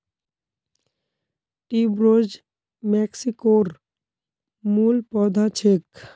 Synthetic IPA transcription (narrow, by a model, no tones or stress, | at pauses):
ʈibɾod͡ʑ | mɛksikoɾ | mulpɔd̪ʱat͡ɕʰek